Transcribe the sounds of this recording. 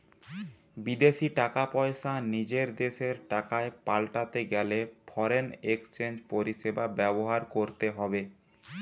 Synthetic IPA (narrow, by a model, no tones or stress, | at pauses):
bid̪eʃiʈakapɔeʃanid͡ʑeɾd̪eʃeɾʈakaepalʈat̪eɡɛlefʰɔɾenekst͡ɕend͡ʑpoɾiʃebabɛboɦaɾkoɾt̪eɦɔbe